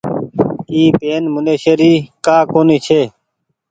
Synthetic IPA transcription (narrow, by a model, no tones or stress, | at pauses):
iːpeːnmʊneːʃəɾiːkaːkoːniːt͡ʃʰeː